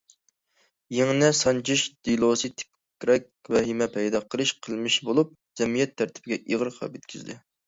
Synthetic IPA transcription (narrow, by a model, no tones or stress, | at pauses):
jeŋnɛsɑnt͡ʃʰiʃd̪̥ilˠosɨt̪ʰɪ̥k | kʲɾɛk̚ʲwɛɦimɛpʰɛjd̪ɑqʰəlˠɨʃqʰəlˠmɪʃbolˠup̚z̥ɛmijɛt̪ʰːæɾt̪ʰɪ̥bɪɡʲɛʔiʁəɾχʰɑ̰pjet̪̚kʲizd̪ɪ